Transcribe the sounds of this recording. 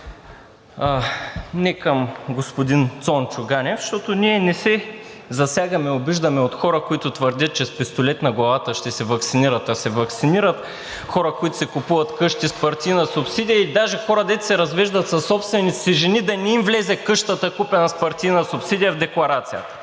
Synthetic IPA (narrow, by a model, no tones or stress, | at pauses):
nɛkəmɡospʊd̪int̪sɔnt͡ʃʊɡanʲɛfʃt̪ɔt̪oniɛnɛsɛ | zɐsʲjaɡɐmɛobiʒd̪ɐmɛot̪xɔɾəkoit̪ʊt̪vəɾd̪ʲət̪̚t͡ʃɛspɛst̪olɛt̪nɐɡlˠɐvat̪əʃt̪ɛsɛvɐksiniɾɐt̪ɐsɛvɐksiniɾət̪ | xɔɾəkʊit̪ʊ̥sɛkʊpuvɐt̪kɤʃt̪ispɐɾt̪ijnɐsʊpsid̪ʲijɐid̪aʒɛxɔɾəd̪ɛt̪sɛɾɐzvɛʒd̪ɐt̪sɐsːɔpst̪vɛnit̪ssɛʒɛnid̪ɐnɛimvlɛzɛkɤʃt̪ət̪əkupɛnɐspɐɾt̪ijnɐsʊpsid̪ijɐvd̪ɛklˠɐɾat̪sijət̪ə̥